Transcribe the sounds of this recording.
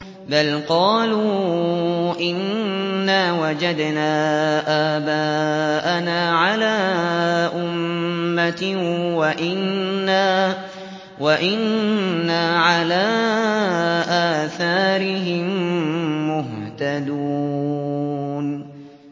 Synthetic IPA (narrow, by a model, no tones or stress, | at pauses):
balqɑːluː | ʔɪnːaːwad͡ʒad̪naːʔaːbaːʔanaːʕalaːʔʊmːat̪waʔɪnːaː | waʔɪnːaːʕalaː | ʔaːθaːɾɪɦɪmː | ʊɦt̪ad̪uː | n